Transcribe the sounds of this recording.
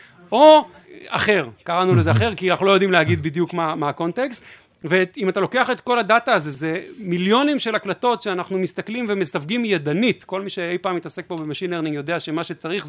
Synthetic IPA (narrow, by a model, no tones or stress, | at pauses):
o̞ | aχe̞ʁkaʁanulezeaχe̞ʁkianaχnulojd̪imleaɡid̪̚bid̪jukmamaːko̞nt̪e̞kst | veimat̪alo̞ke̞aχe̞t̪ko̞ladataːze̞zemiljo̞nimʃe̞laklato̞tʃeanaχnumist̪aklimvemesavɡimjed̪anitko̞lmiʃeejpaːmit̪ase̞k̚bo̞bemaʃinleʁniŋjo̞de̞aʃe̞maʃet͡saʁiχz